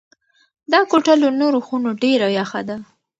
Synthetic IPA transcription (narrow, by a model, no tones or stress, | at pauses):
d̪ɑkoʈalonoɾoxunoɖeɾajaxad̪a